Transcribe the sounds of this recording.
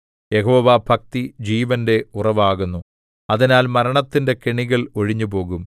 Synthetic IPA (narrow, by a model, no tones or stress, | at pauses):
je̞ɦo̞ːʋaːbʱɐk̚t̪id͡ʑiːʋɐnde̞urɐʋaːɣunːu | ɐðinaːlmɐɾɐɳɐt̪ːinde̞keɳiɣɐɭo̞ɻiɲːupo̞ːɣum